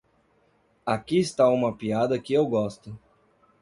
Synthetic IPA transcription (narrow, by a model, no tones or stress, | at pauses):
akiɪst̪aũmɐpiad̪ɐkɪewɡɔst̪ʊ